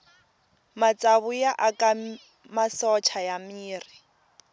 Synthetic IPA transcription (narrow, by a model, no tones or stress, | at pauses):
mat͡sʼaβʊjaʔakʼa | masɔt͡ʃʰajamiːri